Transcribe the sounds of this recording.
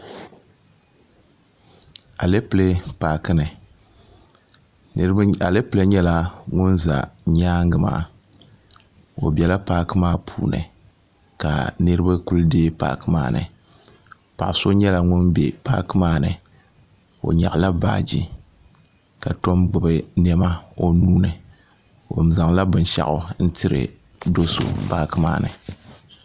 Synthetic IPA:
a˨le˦ple˦paː˨kɨ˦nɨ˨ | a˨le˦pɨ˨le˦ɲɛ˦la˨ŋʊ˦nza̰˨ɲaː˦ŋ˦ɡɨ˨ma̰ː˨ | o̰˨bɛ˨la˦paː˦kɨ˦maː˦pʰṵː˨nɨ̰˨ | ka̰˨nɨ˦ɾɨ˦bɨ˦ku˦lɨ˦deː˦pa̰ː˨˦kɨ˦ma̰ː˦nɨ̰˨ | pa˨ʔso˦ɲɛ˦la˨ŋʊ˦nbḛ˨paː˦kɨ˦maː˦˨nɨ˨ | o̰˨ɲa̰˨ʔla˦ba̰ː˦d͡ʒi˦ | ka˨to˦mɡ͡bɨ˨bɨ˦nɛ˦ma˦o˦nuː˦nɨ˨ | o̰˨m˨za˨ŋla˦bɨ˨n˦ʃa̰˨ʔʊ˨n̩˦tɨ˦ɾɨ̰˨ | do˦so̰˦paː˦kɨ˦ma̰ː˦˨nɨ̰˨

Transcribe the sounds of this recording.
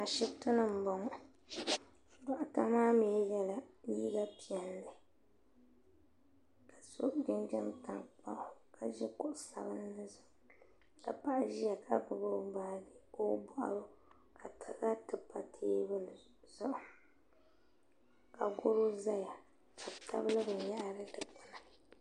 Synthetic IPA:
a˨ʃɪ˦btɨ˦nɨ˦m̩˨bɔ˨ŋ˨ | dɔ˨ʔʊ˦ta˦maː˦me˨˦jɛ˦la˨ji˦ɡa˦pʰi˨ɛ˨nlɨ˨ | ka˨so̰˦ʔd͡ʒɛ˦nd͡ʒɛ˦m˨ta˨k͡pa˦hʊ˨kʰa˨ʒɛ˦kʊ˦ʔʊ˨sa̰˨bɨ˦n˦nɨ˦zʊ˨ | ka˨pa˦ʔʒi˦ja˨kʰa˦ɡʊ˨bo˦baː˦le˨ko˦bɔ˦ʔa̰˨ɾo˦ | kʰa˨tʰa˨ɡa˦tɨ˨pa˦tʰeː˦bɨ˦ | zʊ˦ʔʊ˨ | ka˨ɡʊ˦ɾo˦za˦ja˨ | ka˨tʰa̰˦bɨ˦lɨ˦bɨ˨n˦ja˦ʔɾɨ˦tɨ˨pa˨na˨

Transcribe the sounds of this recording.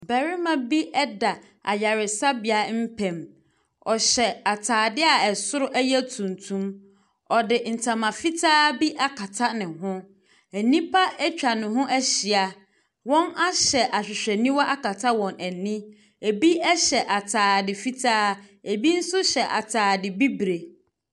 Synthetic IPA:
bɛ˨ɾɪ˦mã˨bi˦ʔɛ˦da˨ | a̰˨ja˨ɾɪ˨sa˦bɪ˨a˨m̩˦pʰɛ̃˨m | ɔ˨ɕɛ˨a˨tʰaː˨dɪ˦a˦˨ɛ˨sʊ˦ɾʊ˦ʔæ˦jɛ˦tʰũ˨ntʰũ˦m | ɔ˨dɪ˨n̩˨tʰã˨mã˨fi˦tʰaː˦bi˦ʔa˦kʰa˨tʰa˦nɪ̃˨ɦʊ̃˦ | æ˨nĩ˦pʰa˦ɛ˦t͡ɕᶣa˨nʊ̃˨ɦʊ̃˦ʔæ˦ɕi˨a˨ | wɔ̃˦na˦ɕɛ˨ʔa˨ɕᶣɪ˨ɕᶣɛ˨nĩ˦wɔ˦ʔa˦ka˨tʰa˦wɔ̃˨næ˨nĩ˦ | e˨bi˦ɛ˦ɕɛ˨ʔa˨tʰaː˨dɪ˨fi˦tʰaː˦e˨bi˦n̩˦sʊ˦ɕɛ˨ʔa̰˨tʰaː˨dɪ˨bi˦bɾe˨

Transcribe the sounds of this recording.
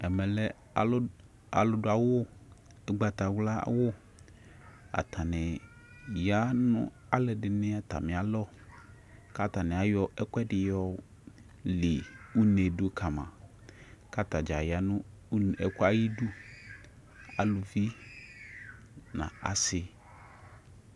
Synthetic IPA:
ɛ˨mɛ̃˨lɛ˦˨˦ | a̰˨lʊ˦dʊ˨a˨wo˦ | ɛ˦ɡ͡ba˨t̪a˨wla˦wʊ˦ | a̰˨t̪ʰa˨nɛ̃˨ | ja˦nʊ̰̃˦ | a˦lɛ˨ɖɪ˨nɛ̃˦a˨t̪a̰˨mĩ˨a˨lɔ˦ | ka˦t̪a˨nɛ̃˨a˨jɔ˦ɛ˦kʷɛ˦ɖɪ˨jɔ˦ | lɪ˨u˦ne˨do˦kʰa˨mã̰˨ | ka˦t̪a˨d͡ʒa˨ja˨nʊ̃˦ | n˨ɛ˦kɔ˦a˦ji˦ɖu˦ | a̰˨lo˨vi˦ | nã̰˨a̰˨sɪ˨˦

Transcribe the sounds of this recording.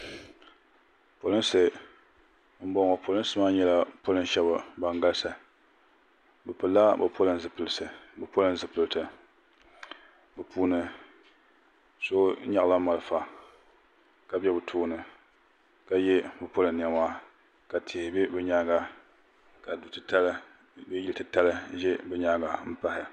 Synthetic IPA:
po˨lɨ˦n˦sɨ˨ | m̩˦bɔ˦ŋɔ˨pʰo˨lɨ˦sɨ˦maː˦ɲɛ˦la˦po˦lɨ˦n˦ʃɛ˦ba˨ba˨ŋɡa˦lsa˨ | bɨ˨pɨ˨lːa˦bɨ˨pʰo˦lɨ˨nzɨ˨pɨ˨lɨ˨sɨ˨bɨ˨po˦lɨ˦n˦zɨ˨pɨ˨ltɨ˨ | bɨ˨pʰuː˦nɨ˨ | so˦ɲa˦˨la˦ma˨lɨ˦fa˨ | ka˨bɛ˦bɨ˨tʰuː˦nɨ˨ | ka˨jɛ˦bɨ˨po˦lɨ˨nn˨a˨maː˦ | ka˨tʰɪ˨hɪ˨bɪ˦bɨ˦ɲa˦ɡa˨ | ka˨du˨tɨ˨ta˦lɨ˦ | bɛ˦ji˦ltɨ˨ta˦lɨ˦ʒɛ˦bɨ˦ɲa˦ɡa˨m̩˦pa˦hɪ˨

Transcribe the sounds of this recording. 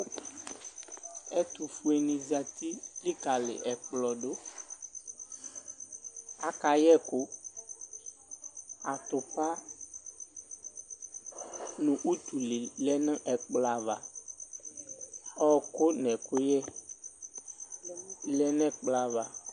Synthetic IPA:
ɛ˦t̪u˨fu˦e˨nĩ˨za˨t̪i˦li˦ka˨lɪ̰˨ʔɛ˨k͡plɔ˨ɖo˦ | a˨ka˨jɛ˦˨kʊ˦ | a˨t̪ʊ˨k͡pa˦ | nũ˨ʔu˦t̪u˨lɪ˨lɛ˦nə̃˦ʔɛ˨k͡pla˨va̰˨ | ɔ˦ko˦nɛ̃˨kʊ˦jɛ˦˨ | lɛ˦nɛ̃˦k͡pla˨va˨

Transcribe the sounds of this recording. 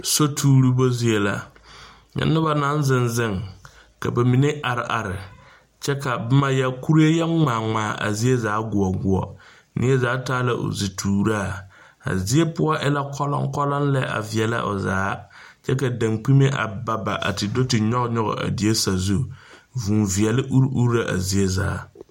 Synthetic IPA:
so˦tʰuː˦ɾu˦bo˦zi˦e˨la˨ | jɛ̰˨˦nɪ˦ba˨na˨˦n˦zɪ˨nzɪ˦ŋ | ka̰˨ba˨mi˨ne˦ʔa˨ɾɪ˨ʔa˨ɾɪ˨ | t͡ʃɛ˦ka˨bɪ˦ma˦ja˦ku˦ɾe˦jɛ˦ŋ͡maː˨ŋ͡maː˨˦˨ʔa̰˨zi˦e˦zaː˨˦ɡʊ˨ɔ˨ɡʊ˨ɔ̰˨ | nʔɪ̰˦ɛ˦zaː˨˦taː˦la˨ʔo̰˨zi˨tʰuː˨ɾa˦˨ | a̰˨zi˦e˦pʊ˦a˦ʔɪ˦la˦kʰɔ˦lɔ̰˦ŋkɔ˦la˦n˦lɛ˦a̰˨vi˨ɛ˨la̰˦ʔo̰˨za̰ː˨˦ | t͡ʃɛ˦ka˨da˨ŋk͡pi˦me˦ʔa̰˨ba˨ba˨ʔa̰˨tɪ˨do˦tɪ˨ɲɔ˦ɡɲɔ˦ɣɔ̰˨a̰˨di˨˦e˦sa˨zu˦vu˨nvi˨ɛ˨lɪ˦ʔu˦ɾu˦ɾa˨ʔa̰˨zi˦e˦za̰ː˨˦

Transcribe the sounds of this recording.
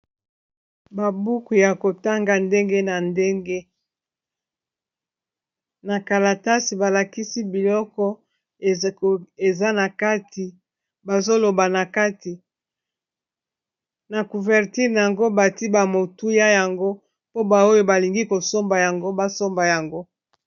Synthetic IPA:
ba˨bu˦ku˨ja˨ko˨ta˦ŋɡa˨nde˦ŋɡe˦na˨nde˦ŋɡe˦ | na˨ka˨la˨ta˦si˨ba˨la˨ki˦si˦bi˨lɔ˦kɔ˦˨ | e˨za˦na˨ka˦ti˨ | ba˨zo˦lo˨ba˨na˨ka˦ti˨ | na˨ku˨vɛ˨ʁti˦ʁna˨a˨ŋɡo˦ba˨ti˦ba˨mo˨tu˦ja˦ja˨ŋɡo˦ | po˦ba˨o˦jo˦ba˨li˨ŋɡi˦ko˨so˦mba˨ja˨ŋɡo˦ba˨so˦mba˨ja˨ŋɡo˦

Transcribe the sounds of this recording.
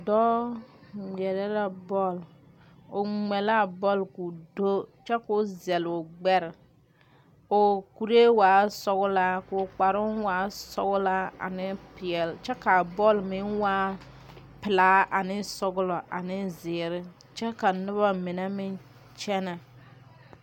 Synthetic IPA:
dɔ˦ | mɛ˨ɾɛ˦ɾa˦bɔ˦˨l | o˨ŋ͡mɛ˨la˦˨bɔ˦˨lku˨do˦t͡ʃɛ˦kʊ˦zɛ˨lʊ˨ɡ͡bɛ˦ɾɪ˨ | o˨ku˨ɾe˦waː˨˦sɔ˦ɣʊ˦la˦kʊ˨k͡pa˨ɾʊ˦nwaː˨˦sɔ̰˦ɣʊ˦la˦a̰˨nɪ˦pɪ˨ɛ˨lt͡ʃɛ˦ka˨bɔ˦˨lmɪ˦nwaː˦ | pɪ˨laː˦ʔa˨nɪ˦sɔ˦ɡʊ˦lɔ˨ʔa̰˨nɪ˦zɪː˨ɾɪ˦ | t͡ʃɛ˦ka˨nʊ˦βa˦mɪ˨na˦mɪ˦n | t͡ʃɛ˦na˨

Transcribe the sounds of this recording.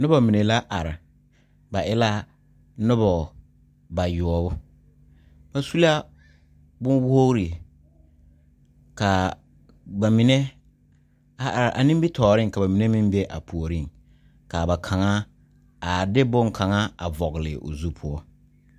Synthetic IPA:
nʊ˦bɔ˨mi˨ne˨la˦ʔa˨ɾɪ˨ | ba˨ʔɪ˦la˦ | nʊ˦bɔ˨ | ba˨jɔ˨ɔ˨bʊ˦ | ba˨su˦la˦ | bʊ˦n˦wʊ˦o˦ɾi˨ | ka˨ | ba˨mɪ˨nɛ˦ | a˦ʔa˨ɾɪ˨ʔa̰˨nɪ̃˦mbi˦tʰɔː˨ɾɪ˦ŋka˨ba˨mi˨ne˦mɪ̃˦mbe˦ʔa˨pʰu˨o˨ɾi˦˨ŋ | ka˨ba˨kʰa˨ŋa˦ | a˨dɪ˦bʊ˦ŋkʰa˨ŋa˦a̰˨vɔ˨ɣɪ˨lɪ̰˨ʔo̰˨zu˦pʰʊ˦ɔ˦

